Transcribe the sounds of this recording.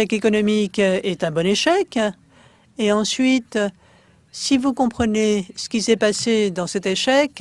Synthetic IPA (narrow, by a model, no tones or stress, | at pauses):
ɛkekɔnɔmikɛt̪ɛ̃bɔneʃɛk | eɑ̃sɥit̪ | sivukɔ̃pχənesə̥kʲisɛpased̪ɑ̃sɛt̪eʃɛk